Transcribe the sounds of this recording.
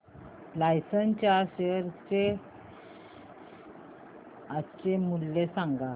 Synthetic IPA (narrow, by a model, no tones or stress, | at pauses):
lajsənt͡ɕaɕeɾt͡ɕe | at͡ɕemulːesãŋɡa